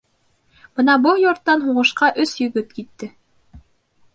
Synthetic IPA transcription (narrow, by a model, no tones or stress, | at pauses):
b̥ɤnɑbɤlˠjŏɾt̪ːɑnɦuʁɤ̆ʃqɑʔɵsjɵ̆ɡɵt̪kit̪ːɘ